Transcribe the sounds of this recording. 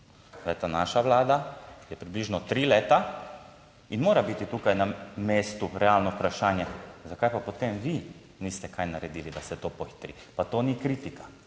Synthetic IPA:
d̪ejt̪anaʃaʋlaːd̪ajɛpɾibliːʒnɔt̪ɾiːleːt̪a | inmoːɾabit̪it̪ukajnameːst̪uɾɛalnɔupɾaʃaːnjɛzakajpapɔt̪emʋi | nist̪ɛkajnaɾɛd̪iːlid̪asɛt̪oːpɔxi̥t̪ɾḭ | pat̪oːnikɾit̪ika

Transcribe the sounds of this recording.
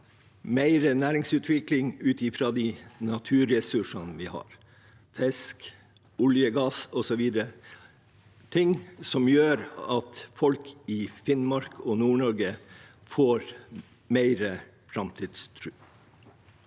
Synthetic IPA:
mæɪɾənæːɾɪŋsʉːt̪ʰʋɪklɪŋʉːt̪ɪfɾɑːd̪iːnɑt̪ʰʉːɾɛsʉʂɑnʋiːhɑ̰ːɾ | fɛsk | ʊljəɡɑːsɔsɔʋiːd̪əɾə | t̪ʰɪŋsɔmjøːɾɑt̪fɔlkɪfɪnmɑɾkʰɔnuːɳɔɾɡəfoːɾ | mæɪɾə | fɾɑmt̪ʰiːd̪st̪ʰɾʉː

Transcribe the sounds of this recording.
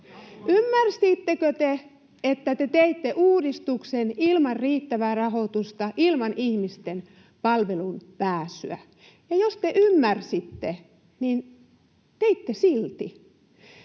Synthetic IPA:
ymːærsiːt̪ːekøt̪e | et̪ːæt̪et̪eit̪ːeʔuːdist̪uksenilmɑrriːt̪ːæʋæːrɑhot̪ust̪ɑʔilmɑnihmist̪en | pɑlʋelunpæːsy̰æ̰ | jɑjost̪eʔymːærsit̪ːe | nin | t̪eit̪ːesilt̪i

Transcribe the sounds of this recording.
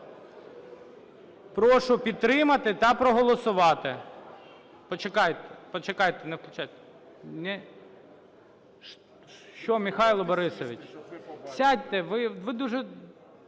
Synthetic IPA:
pɾɔʃʊpʲid̪̚t̪ɾɪmɐt̪ɪt̪ɐpɾɔɦɔlˠɔsʊʋɑt̪ɪ | pɔt͡ʃekɑjt̪ɛpɔt͡ʃekɑjt̪ɛnɛwklʲʊt͡ʃɑjt̪ɛ̥ | nɛ | ʃt͡ʃɔmʲixɑjlˠɔbɔɾɪsɔʋʲit͡ʃʲsʲadʲt̪ɛʋɪʋɪd̪uʒɛ

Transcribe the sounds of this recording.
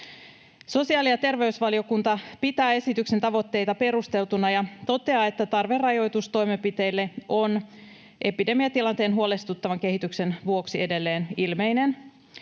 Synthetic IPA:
so̞siɑːlijɑt̪e̞rʋe̞ysʋɑlio̞kunt̪ɑpit̪æːe̞sit̪ykse̞nt̪ɑʋo̞t̪ːe̞jt̪ɑpe̞ɾust̪e̞lt̪unɑjɑt̪o̞t̪e̞ɑe̞t̪ːæt̪ɑrʋe̞rːɑjo̞jt̪ust̪o̞jmepit̪e̞jlːe̞ʔo̞n | ʔe̞pide̞miɑt̪ilɑnt̪eːnɦuo̞lest̪ut̪ːɑʋɑŋke̞ɦit̪ykse̞nʋuo̞ksie̞de̞lːe̞ːnilme̞ine̞n

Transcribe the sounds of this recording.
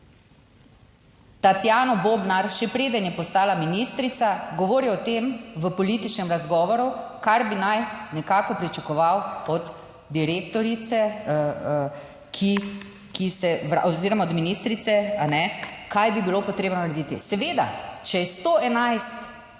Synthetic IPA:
t̪at̪jaːnɔboːbnaɾʃɛpɾeːd̪ənjɛpɔst̪aːlaminist̪ɾit̪saɡɔʋoːɾiɔt̪emʋəpɔliːt̪it͡ʃnɛmɾazɡɔːʋɔɾukaɾbinajnɛkaːkɔpɾit͡ʃakɔʋawɔd̪ | d̪iɾekt̪ɔɾit̪sɛ | kʰi | kisɛʋɾa̰ʔoziːɾɔmaɔd̪minist̪ɾit̪sɛanɛkajbibilopɔt̪ɾeːbnɔnaɾed̪it̪ḭsɛʋeːd̪a̰t͡ʃɛjɛst̪oɛnajst̪

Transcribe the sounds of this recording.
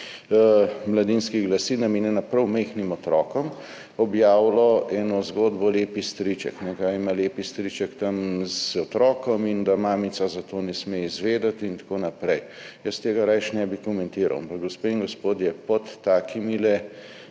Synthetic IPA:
mlad̪inskiɡlasiːnameːnɛnapɾɐwmɛjxnimɔt̪ɾɔːkɔm | ɔbjaːwlɔɛːnɔzɡoːd̪bɔleːpist̪ɾit͡ʃɛ̰knɛkaimaleːpist̪ɾit͡ʃɛkt̪ɐmzɔt̪ɾɔːkɔmind̪amaːmisazat̪oːnɛsmeizʋeːd̪at̪int̪ḁkoːnapɾɛj | jəst̪eːɡaɾajʃnɛbikɔmɛnt̪iːɾa̰wampakɡospeiŋɡospoːd̪jɛpɔt̪ːaːkʰimilɛ

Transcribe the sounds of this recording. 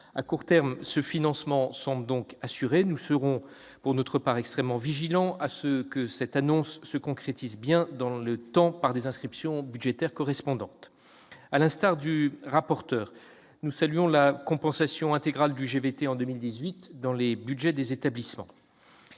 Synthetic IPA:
a̰kuʁt̪ɛʁmsəfinɑ̃smɑ̃sɑ̃bld̪ɔ̃kasyʁenusəʁɔ̃ | puʁnɔt̪χəpaʁɛkst̪χɛmːɑ̃viʒilɑ̃asəkəsɛt̪anɔ̃sːəkɔ̃kχet̪izbjɛ̃d̪ɑ̃lət̪ɑ̃paʁd̪ezɛ̃skχipsjɔ̃byd̪ʒet̪ɛʁkɔʁɛspɔ̃d̪ɑ̃t̪ | alɛ̃st̪aʁd̪yʁapɔʁt̪œːʁ | nusalɥɔ̃lakɔ̃pɑ̃sasjɔ̃ɛ̃t̪eɡʁald̪yʒevet̪eɑ̃d̪əmild̪izɥit̪d̪ɑ̃lebyd̪ʒɛd̪ezet̪ablismɑ̰̃

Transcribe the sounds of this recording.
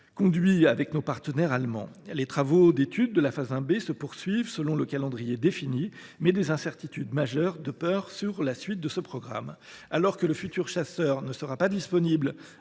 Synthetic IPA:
kɔ̃d̪ɥiavɛknopaʁt̪ənɛʁalmɑ̰̃let̪χavod̪et̪yd̪̚ːəlafazɛ̃besəpuʁsɥivsəlɔ̃ləkalɑ̃d̪ʁijed̪efinimɛd̪ezɛ̃sɛʁt̪it̪yd̪maʒœʁd̪əpœʁsyʁlasɥit̪̚d̪əsəpχɔɡʁa̰m | alɔʁkələfyt̪yʁʃasœʁnəsəʁapad̪ispɔnibl

